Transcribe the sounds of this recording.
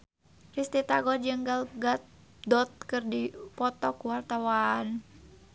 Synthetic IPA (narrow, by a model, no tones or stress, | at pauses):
rist̪it̪aɡɔd͡ʒəŋɡalɡat̪̚ | dɔt̪̚kɨrdipɔt̪ɔkuwart̪awan